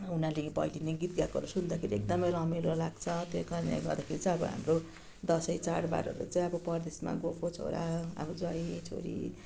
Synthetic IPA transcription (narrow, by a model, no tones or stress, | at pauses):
unalepʌ̰ilineɡit̪̚ɡakʌ̰ɾusund̪akʰeɾiek̚d̪ʌmeɾʌmilolaɡt͡sʰʌt̪okʌɾnḛɡʌrd̪akʰeɾit͡sʌj̃ʌbʌɦa̰mro | d̪ʌsʌjt͡saɽba̰ɾʌ̰rla̰t͡saĩʌbʌpʌrd̪esma̰ɡopʰot͡sʰo̰ɾaʌ̰bʌd͡zʌjʈʰo̰ɾḭ